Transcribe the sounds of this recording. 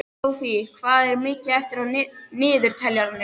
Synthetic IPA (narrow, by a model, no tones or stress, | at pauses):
wfiɪkʰvaːðɛɾmɪːcɪɛft̪ɪɾaðnnɪːðʏɾ̥t̪ʰɛljananːɪ